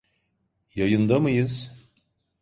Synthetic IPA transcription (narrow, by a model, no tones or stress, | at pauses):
jajɯnd̪amɯjɯz̥